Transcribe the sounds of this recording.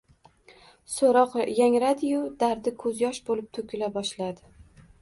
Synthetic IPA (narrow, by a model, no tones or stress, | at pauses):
soɾɒqjaŋɾad̪ɪjʊd̪aɾd̪ɪkʰɵzjɒʃbolɪp̚t̪ʰɵkʲʰɪlabɒʃlad̪ɪ